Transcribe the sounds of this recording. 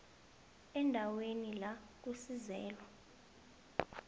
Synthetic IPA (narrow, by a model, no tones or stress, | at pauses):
ɛndʱawenila | k̬usizɛːlwa